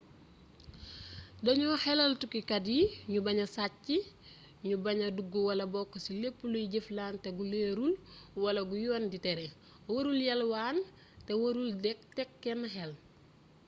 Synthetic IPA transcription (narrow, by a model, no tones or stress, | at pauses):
dɐɲɔhɛlɐltukikɐdiɲubɐɲɐsacːi | ɲubɐɲɐduɡːuwɐlɐbɔkːɐsilepːulujiɟeflaːnteɡuleːɾulwɐlɐɡujɔːnditɛɾe | woɾuljɐlwaːn | tɛwoɾuldɛk̚tɛkːɛnɐɦɛl